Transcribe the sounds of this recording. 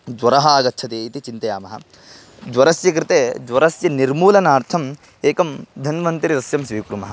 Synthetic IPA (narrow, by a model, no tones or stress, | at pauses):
d͡ʒʋɐɾɐɦaːɡɐtːt͡ʃʰɐt̪eːit̪it͡ʃint̪ɐjaːmɐɦɐ̰ | d͡ʒʋɐɾɐsjɐk̬ɾɪt̪eːd͡ʒwʋɐɾɐsjɐniɾmuːlɐnaːɾt̪ʰɐm | eːkɐmd̪ʱɐnɐmɐnt̪iɾid̪ɐsjɐmsʋiːkɾumɐɦɐ